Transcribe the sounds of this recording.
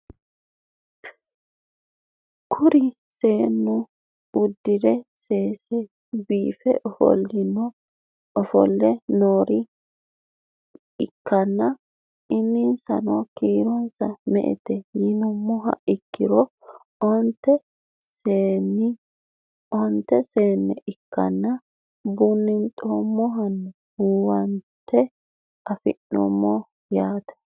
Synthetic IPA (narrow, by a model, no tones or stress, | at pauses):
kʰʊɾɪ | seːnːʊ | ʊd̪ːɪd̪ɛseːsɛ | biːfɛ̰ʔɔfɔ̰lːɪnːɔ | ɔfɔ̰lːɛnoːɾɪ | ɪkːɐnːɐ | ɪnːɪnsɐ̰nɔkiːɾɔnsɐmɛʔɛ̰t̪ɛjɪnʊmʊɦɐ̰ɪkːɪɾɔ | ɔnt̪ːɛ | seːnɪ | ɔnt̪ːɛseːnːɛ̰ʔɪkːɐ̰nːɐ | bʊnːɪnt̪ʼːɔmːɔɦɐnːɛ | uwɐnt̪ːɛ | ɐfɪ̰nːɔ̰mːɔ | jaːt̪ɛ̥